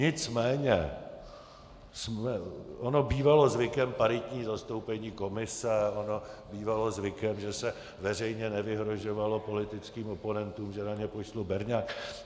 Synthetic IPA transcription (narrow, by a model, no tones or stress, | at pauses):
ɲɪt͡smɛːɲɛ | smɛʔono̞biːvalo̞zvɪkɛmpaɾɪt̪ɲiːzast̪o̞wpɛɲiːko̞mɪsɛono̞biːvalo̞zvɪkɛmʒɛsɛ | vɛr̝ɛjɲɛnɛvɪɦɾo̞ʒo̞valo̞po̞lɪt̪ɪt͡skiːmopo̞nɛnt̪uːmʒɛnaɲɛpoʃlubɛɾɲaːk